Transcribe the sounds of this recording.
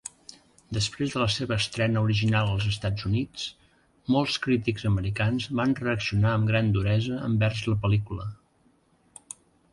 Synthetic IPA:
d̪əspɾezðələseβəːst̪ɾɛnəuɾiʒinalˠəlˠzəst̪ad͡zunit͡s | mɔlˠskɾit̪iɡzəməɾikanzβanrəəksiunaəmɡɾand̪uɾɛzəə̰mbɛrzləpəlikulə

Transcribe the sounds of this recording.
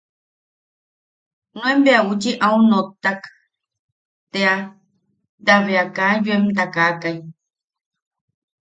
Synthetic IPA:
nõembeaut͡ʃiʔaunot̪ːak | t̪ea | d̪aβeakajuemt̪akakaj

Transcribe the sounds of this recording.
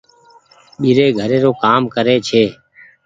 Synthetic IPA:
ɓiːɾeːɡʱəɾeːɾoːkaːmkəɾeːt͡ʃʰeː

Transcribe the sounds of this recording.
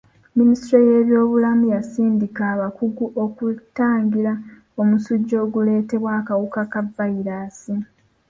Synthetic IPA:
ministɾo̞je̞ːβjo̞ːβulamujasiːndikaːβakuɡuʔo̞kutːaːŋɡiɾa | o̞musuɟːo̞ːɡule̞ːte̞βwakawukakavːaiɾaːsi

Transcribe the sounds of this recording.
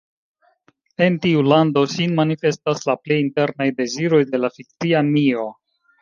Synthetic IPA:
e̞ntiulando̞ʃinmanife̞staslaple̞jinte̞ɾnajde̞ziɾo̞jde̞lafik̚t͡siamio̞

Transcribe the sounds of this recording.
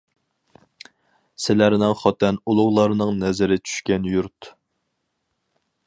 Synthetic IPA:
sɪlæɾnɪŋχɑt̪ʰɛnulˠʊʁlˠɑɾnɨŋnɛzɪɾɪt͡ʃʰy̥ʃkʲɛnjuɾt̪

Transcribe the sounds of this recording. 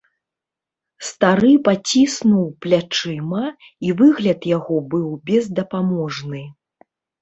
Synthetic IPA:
st̪aɾɨpat͡sʲisnuwplʲat͡ʂɨmɐ | ivɨɣlʲɐt̪jaɣɔbɨwbʲɛzd̪ɐpamɔʐnɨ

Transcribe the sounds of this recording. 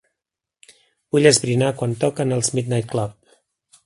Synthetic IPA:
b̥uʎəzβɾinakwant̪ɔkənəlˠzmid̪najt̪̚klɔp̚

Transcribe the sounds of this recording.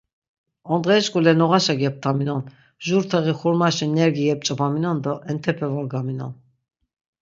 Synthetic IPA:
ɔnd̪ʁɛːʃkʼulɛnɔʁaʃaɡɛp̚t̪ʰaminɔn | ʒuɾt̪ʰɛʁiχuɾmaʃinɛɾɡiɛp̚t͡ʃʼɔbʰaminɔnd̪ɔʔɛnt̪ʰɛpʰɛvɔlɡaminɔ̰n

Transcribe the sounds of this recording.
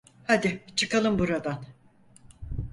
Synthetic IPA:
had̪ɪt͡ʃʰɯkʰalˠɯmbuɾad̪an

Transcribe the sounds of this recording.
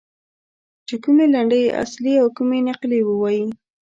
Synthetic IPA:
t͡ʃekumelaɳɖəjʔa̰sliawkumenaqlewəwaji

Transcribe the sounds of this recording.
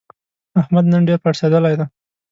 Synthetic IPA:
ahmad̪nənɖeɾpaʈsed̪əlajd̪a

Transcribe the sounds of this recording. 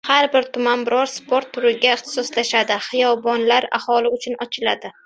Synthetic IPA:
haɾbɪɾt̪ʰʊmanbɪɾɒɾspʰo̞ɾt̪ʰːʊɾɪɡʲaɪχt̪ʰɪ̥sɒslaʃad̪ɪχɨjɒbɒnlaɾa̰hɒlɪʊt͡ʃʰʊnɒt͡ʃʰɪla̰d̪ɪ

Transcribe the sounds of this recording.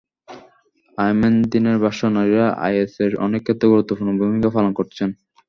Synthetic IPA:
ajmend̪ineɾbʱaʃonaɾiɾaʔa̰jeseɾɔ̰nekʰːet̪ːoɡuɾut̪ːopʰuɾnobʱumikafalonkoɾt͡ɕʰen

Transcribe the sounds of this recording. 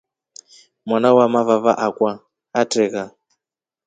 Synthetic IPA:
mwanawamavavaʔakwa | atʼɛɣa

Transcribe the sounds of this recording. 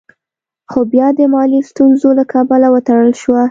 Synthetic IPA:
xobjɑd̪əmɑlist̪unzolakɑbalawət̪aɽəlʃwa

